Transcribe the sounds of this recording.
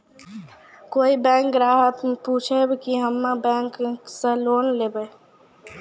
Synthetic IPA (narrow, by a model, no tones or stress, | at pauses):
koːibɛ̃ːŋk̚ɾaːɦət̪mpuːt͡ʃʰebkiɦəmːabɛ̃ːŋkkseloːnleːbe